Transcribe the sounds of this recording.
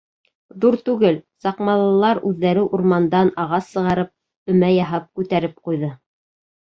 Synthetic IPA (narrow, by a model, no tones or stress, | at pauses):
ðuɾt̪ʉɡɘlsɑqmɑlˠɤ̆lˠɑɾʉðːæɾɘʔuɾmɑnd̪ɑnɑʁɑsːɤ̆ʁɑɾɤp̚ | ɵ̆mæjɑɦɑp̚kʉt̪æɾɘp̚qujðɤ